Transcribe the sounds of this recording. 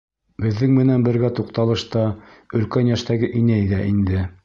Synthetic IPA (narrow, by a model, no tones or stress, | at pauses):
bɘ̆ðːɘŋmɘ̆nænbɘ̆ɾɡæt̪uqt̪ɑlˠɤ̆ʃt̪ɑɵ̆lkænjæʃt̪æɡɘʔinæjðæʔind̪ɘ